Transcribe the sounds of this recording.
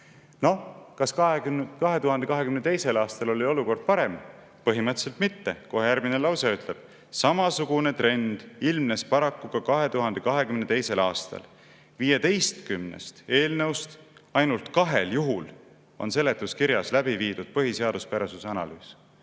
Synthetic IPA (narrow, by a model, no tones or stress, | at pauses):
no̞kɑskɑekɑɦe̞t̪uɦɑnd̪̥e̞kɑɦe̞kymnet̪e̞jse̞lɑːst̪ɑlo̞lio̞luko̞rd̪̥̚pɑɾe̞m | pɤɦimɤt̪ːˑselt̪mit̪ːe̞koɦhejærɡminelɑwseyt̪le̞b̥̚ | sɑmɑsuɡ̥une̞t̪re̞nd̪̥ilmne̞spɑɾɑkːuɡ̥ɑkɑɦe̞t̪uɦɑnd̪̥e̞kɑɦe̞kymnet̪e̞jse̞lɑːst̪ɑ̰l | vijet̪e̞jst̪kymnḛst̪e̞ːlnɤwst̪ɑjnult̪kɑɦe̞ljuɦul | o̞̰nse̞le̞t̪ːˑuskiɾjɑslæbiviːd̪ud̪̥̚pɤɦise̞ɑd̪̥uspæɾesuseɑnɑ̰lyːs